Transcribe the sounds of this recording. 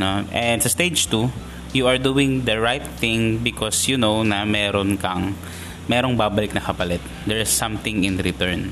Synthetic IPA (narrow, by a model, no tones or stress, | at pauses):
noʔɛnsɐst̪ed͡ʒt̪u | juʔɐɹd̪uːɪ̃ŋd̪ɐɹajt̪̚ːɪ̃ŋbɪkʰɔsjunownɐmɛːɾonkɐŋ | mɛːɾoŋbaːbɐlɪk̚nɐkɐpɐlɛt̪̚d̪ɛɹɪsːɐ̃mt̪ɪ̃ŋɪ̃nɾɪt̪ɛɹn